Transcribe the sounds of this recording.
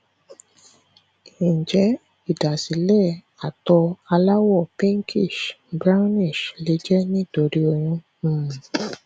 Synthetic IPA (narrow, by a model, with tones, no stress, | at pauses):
ĩ˨d͡ʒɛ˨˦ | i˦˨da˨si˨˦lɛ˦˨ | a˨tɔ˧a˧la˦wɔ˦˨pɛ̃˦ŋ˦kʰi˦˨ʃbɾa˦ni˦˨ʃle˨˦d͡ʒɛ˦nĩ˦˨to˨ɾi˦o˧ɾ̃ũ˧˨